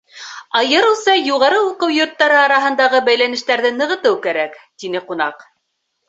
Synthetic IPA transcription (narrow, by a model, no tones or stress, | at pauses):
ɑjɤ̆ɾɤ̆wsɑjuʁɑɾɤuqɤwjŏɾt̪ːɑɾɤɑɾɑɦɤ̆nd̪ɑʁɤbæjlænɘ̆ʃt̪æɾðɘnɤ̆ʁɤ̆t̪ɤwkæɾækt̪inɘqunɑq